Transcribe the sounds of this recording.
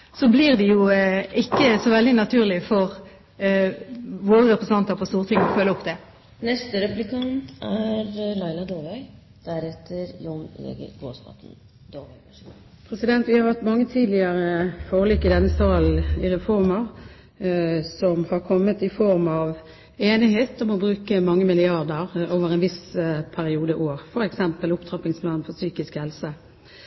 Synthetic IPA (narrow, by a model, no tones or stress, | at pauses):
soblɪʁd̪ɛjʊɪkːəsɔʋɛld̪ɪnɑt̪ʰʉːʁlɪfɔʁ | ʋoːɾəɾɛpʁəs̩ɑnt̪əɾpʰɔst̪uːʁt̪ɪŋɔfœlːəɔpd̪ɛ | nɛst̪əɾɛplɪkʰɑnt̪æɾlɑɪlɑd̪oːʋæɪ | d̪̥æɾɛt̪ʰːəɾjʊnḛɡə̰ɡo̰ːsk̪ɑ̰t̪n | d̪o | pʰɾɛsɪd̪ɛnt̪ʋɪhɑɾhɑʁt̪mɑŋːət̪ʰiːd̪lɪəɾəfoːəlɪkːɪd̪ɛnːəsɑːlɪɾɛfɔɾməʁ | sɔmhɑɾkʰɔmːət̪ɪfɔɾmɑʋ | eːnɪɦeːt̪̚d̪ɛmːɔbɾʉːkəmɑŋːəmɪlɪɑɾd̪əʁoːʋəʁɛnʋɪspʰæɾɪuːd̪əʔoːʁfɔɾɛksɛmpəlʊpt̪ʰɾɑpɪŋsplɑːnfɔsyːkɪskhɛlsə